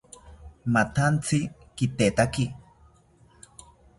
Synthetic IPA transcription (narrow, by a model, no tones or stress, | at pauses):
mat̪ant͡si | kit̪eːt̪aki